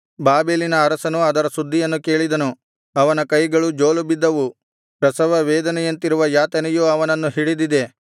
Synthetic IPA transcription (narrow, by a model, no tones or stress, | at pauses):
baːbeːlinɐːɾɐsɐnuɐd̪ɐɾɐsud̪ʱːijɐnːuke̞ːɭid̪ɐnu | ɐʋɐnɐkɐjɡɐɭud͡ʒo̞ːlubid̪ːɐʋu | pɾɐsɐʋɐʋɛːd̪ɐnɛjɐnt̪iɾuʋɐjaːt̪ɐnɛjuɐʋɐnɐnːuɦiɽid̪id̪e̞